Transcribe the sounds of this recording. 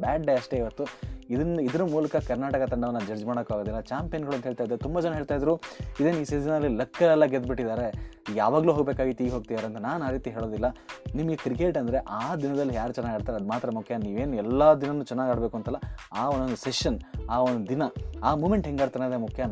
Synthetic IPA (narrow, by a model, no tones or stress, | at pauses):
baːɖɖeɐʂʈe̞iʋɐt̪ːuid̪ɐnid̪ɐɾɐmuːlɐkɐkɐɾnaːʈɐkɐt̪ɐɳɖɐʋɐnːɐd͡ʒɐɾd͡ʒmaːɽɐkːaːɡod̪ilːɐt͡ʃaːmpejɐnɡɐɭuɐnt̪ɐɦeːɭt̪aːid̪ɾut̪umbɐd͡ʒɛnɐɦeːɭt̪ajd̪ɐɾuːid̪eːniːseinɐɐlːilɐkːɐlɛlːɐɡed̪̚biʈːid̪aːɾe̞jaːʋaːɡluːɦoɡbeːkaːɡit̪iːɡɦoːɡ̚t̪id̪aːɾeɐnt̪ɐnaːnaːɾiːt̪iɦeːɭo̞ːd̪ilːɐnimɐɡekɾikeːʈɐnd̪ɐɾe̞ʔaːd̪inɐd̪ɐlːijaːɾut͡ʃɛnːaːɡaːɽt̪aːɾeɐd̪maːt̪ɾɐmukʰjɐniːʋe̞ːnɛlːɐd̪inɐnːuːt͡ʃɛnːaːɡaːɽbe̞ːkuɐnt̪ɐlːɐaːond̪ond̪useʂɐnaːond̪ud̪inɐaːmuːme̞ɳʈɦeŋɡaːɾt̪ɐned̪emukʰjɐ